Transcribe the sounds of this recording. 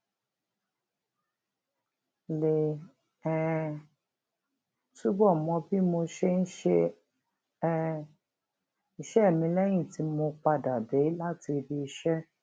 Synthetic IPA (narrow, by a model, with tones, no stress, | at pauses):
le˨ | ɛ˨ | tu˦bɔ˦˨mɔ̃˧bi˦mo˧ʃe˧n̩˦ʃe˧˦ | i˧˨ʃɛ˦˨mĩ˧lɛ˦j̃ĩ˦˨ti˨˦mo˧k͡pa˧da˨de˨˦la˦ti˧bi˧i˧ʃɛ˦